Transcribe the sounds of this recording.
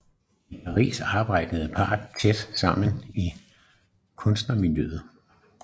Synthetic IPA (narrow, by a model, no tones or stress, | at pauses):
ipʰɑ̈ʁḭːsɑ̈ːb̥ɑ̈ɪ̰d̥əð̞̩ˠpʰɑ̈ːd̥t͡sʰed̥sɑ̈m̰n̩i | kʰɔ̽nsd̥nɐmiljøð̩ˠ